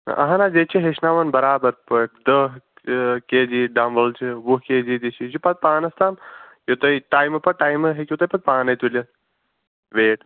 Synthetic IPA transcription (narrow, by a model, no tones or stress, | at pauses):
ʔɐ̰ɦanaːd͡ʒeːt͡ʃʰiɦeʃnaːʋɐnbɐɾaːbɐɾpɐʈ̚d̪ə | keːd͡ʒiɖamʋɐlt͡ʃʰiʋuɦkeːd͡ʒid̪it͡ʃʰid͡ʒipɐt̪̚paːnɐst̪aːmjot̪ɐjʈaːjmɨpɐʈaːjmɨɦekʲjut̪ɐjpɐt̪̚paːnɐt̪uljɐt̪ | ʋeːʈ